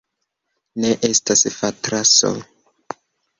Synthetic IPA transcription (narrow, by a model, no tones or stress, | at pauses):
ne̞ʔe̞stasfatɾaso̰